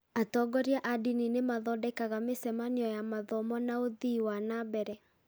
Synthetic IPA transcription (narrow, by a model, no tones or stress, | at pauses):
atɔɡɔɾjaʔadininemaðɔdɛkaɣamesɛmaniɔjamaðɔmɔnaoðiwanabɛɾɛ